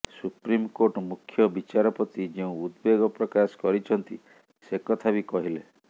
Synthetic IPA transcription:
supɾimkoʈɔmukʰjɔbit͡ʃaɾɔpɔt̪id͡ʒeũud̪beɡɔpɾɔkasɔ̥kɔɾit͡ʃʰɔnt̪i | sekɔt̪ʰabikɔɦile

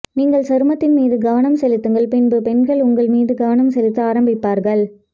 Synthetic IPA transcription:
niːŋɡɐɭsɐɾɯmɐt̪ːɪnmiːðɯɡɐʋɐnɐmsɛlɪt̪ːɯŋɡɐɭpɪnbɯpɛnɡɐɭʊŋɡɐɭmiːðɯɡɐʋɐnɐmsɛlɪt̪ːɯaːɾɐmbɪpːaːɾɣɐɭ

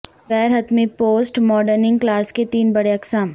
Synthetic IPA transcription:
ɣɛːɾɦɐt̪mipoːsʈmɔːɖəɾnɪ̃ŋɡklaːsket̪iːnbɐɽeɐksaːm

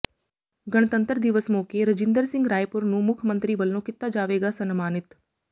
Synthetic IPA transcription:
ɡəɽ̃t̪ə̃nt̪əɾd̪ɪʋəsmoːkeɾəd͡ʒɪ̃nd̪əɾsɪ̃ŋɡɾaːjpʊɾnũːmʊkʰmə̃nt̪ɾiʋəlnõːkɪt̪ːad͡ʒaːʋeːɡasɐnmaːnɪt̪

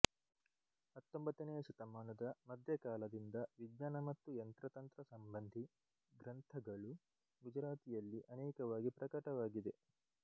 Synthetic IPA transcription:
hɐt̪ːombɐt̪ːɐneːʃut̪ɐmaːnɐd̪ɐmɐd̪ʱjɐkaːlɐd̪ind̪ɐʋidɲaːnɐmɐt̪ːujɐnt̪ɾɐt̪ɐnt̪ɾɐsɐmbɐnd̪ʱi | ɡɾɐnt̪ʰɐɡɐɭu | ɡud͡ʒɾaːt̪ijɐlːiʔɐnɛːkɐʋaːɡipɾɐkɐʈɐʋaːɡid̪e̞

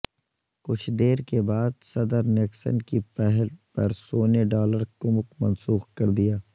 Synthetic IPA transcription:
kʊt͡ʃʰd̪eːɾkebaːd̪sɐd̪əɾnɪksə̰nkipɛɦɛlpɐɾsoːneɖɔːləɾkʊməkmɐnsuːxkɐɾd̪ijaː

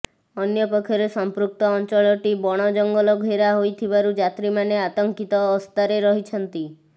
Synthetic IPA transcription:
ɔnjɔpɔkʰːjɔɾesɔmpɾuk̚t̪ɔːnt͡ʃɔɭɔʈibɔɽ̃ɔd͡ʒɔŋɡɔlɔɡʱeɾaɦojt̪ʰibaɾud͡ʒat̪ɾimaneat̪ɔŋkit̪ɔːst̪aɾeɾɔɦit͡ʃʰɔnt̪i

